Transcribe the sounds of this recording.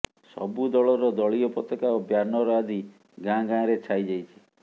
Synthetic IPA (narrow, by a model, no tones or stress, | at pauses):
sɔ̰bud̪ɔɭɔɾɔd̪ɔɭiɔpɔt̪ɔkaobjanɔɾɔad̪ʱi | ɡãɡãɾet͡ʃʰajd͡ʒajt͡ʃʰi̥